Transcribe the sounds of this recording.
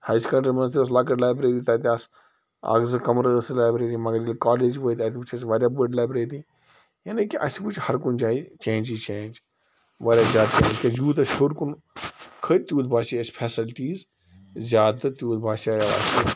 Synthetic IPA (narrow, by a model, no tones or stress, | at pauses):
haːjskɐɳɖɐɾmɐnst̪iʋɐs̬laːkɐʈlaːjbɾeːɾit̪aːt̪̬iaːs | a̰ːɡzɨkɐmɾɐslaːbɾeːɾimɐɡɐɾilkaːleːd͡ʒʋoːit̪aːt̪iput͡ʃʰɐsʋaːɾʲjaːbəɖlaːjbɾeːɾi | jaːnikiʔɐ̰siput͡ʃʰhɐɾkʊnd͡ʒaːit͡ʃẽːnd͡ʒit͡ʃẽːnd͡ʒ | ʋaːɾʲjaːzjaːd̪̚t͡ʃḛːnd͡ʒkʲɐd͡ʒuːt̪̬ɐʃoɾkun | kʰəɾʲt̪juːd̪baːsiɐspʰeːsɪlʈiːz | zʲjaːd̪ɨt̪juːd̪baːsiaːjaʋa̰ːst̪i